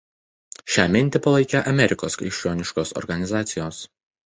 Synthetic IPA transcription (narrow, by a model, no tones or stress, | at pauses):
ʃʲæːmʲɪnʲt̪ʲɪpɐlˠɐɪkʲɛʔɐmʲɛɾʲɪkoːskɾʲɪ̰ʃʲt͡ʃʲoːnʲɪʃkoːsɔ̰ɾɡɐnʲɪzɑːt̪sʲɪjoːs